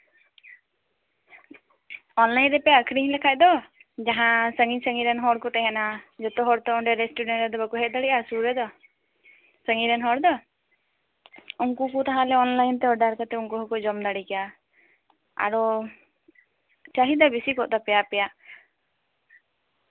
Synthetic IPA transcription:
ɔnlajnɾɛpɛjaəkʰɽiɲlɛkʰac̚d̪ɔ | d͡ʒaɦãsəŋisəŋiɾɛnɦɔɽkɔt̪ɛɦɛnad͡ʒɔt̪ɔɦɔɽt̪ɔɔɳɖɛɾɛsʈuɖɛnʈɾɛd̪ɔbəkɔɦɛc̪̚ˀd̪aɽiʔasuɾɛd̪ɔ | səŋiɾɛnɦɔɽd̪ɔ | uŋkukut̪aɦãlɛɔnlajnt̪ɛɔɖaɾkat̪ɛuŋkuɦɔkɔd͡ʒɔmd̪aɽikɛja | a̰ɾɔ | t͡ʃaɦid̪abisikɔʔd̪apɛjapɛjaʔ

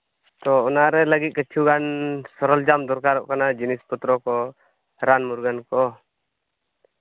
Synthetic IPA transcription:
t̪ɔɔnaɾɛləɡit̪̚kət͡ʃʰuɡansɔɾɔld͡ʒamd̪ɔɾkaɾɔ̰ʔkanad͡ʒinisput̪ɾɔkɔ | ɾanmuɾɡankɔ

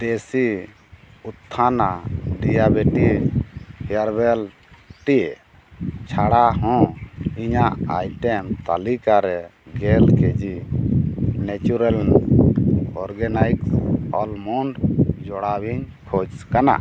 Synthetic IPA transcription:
d̪esi | ut̪ʰːanaɖijabiʈi | hɛjaɾbɛl | ʈi | t͡ʃʰaɽaɦɔ̃iɲaʔa̰jʈɛmt̪alikaɾɛɡɛlkɛd͡ʒi | nɛt͡ʃuɾal | ɔɾɡɛnajksɔlmɔɳɖd͡ʒɔɽawiɲ | kʰɔd͡ʒkana̰ʔ

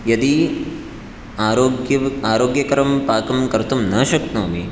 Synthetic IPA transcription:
jɐd̪i | aːɾoːɡjɐaːɾoːɡjɐkɐɾɐmpaːkɐmkɐɾt̪umnɐːʃɐk̚t̪noːmi

